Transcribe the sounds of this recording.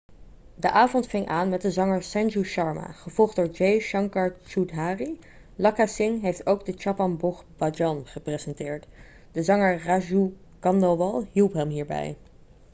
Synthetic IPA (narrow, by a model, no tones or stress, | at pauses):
dəʔaːvɔntfɪŋʔaːnmɛt̚dəzɑŋəɹsɛnd͡ʒuʃɑɹma̰χəv̥ɔlˠχdʊːɹd͡ʒejʃɑŋkɑɹt͡ʃutɦaːri | lɑkasɪŋɦejftowɡdət͡ʃapɑnbɔχbad͡ʒɑnχəprezɛntɪːɹt | d̥əzɑŋəɹraʒu | kɑndoʋɑlˠɦilˠpɦɛmɦiːɹbɛ̰j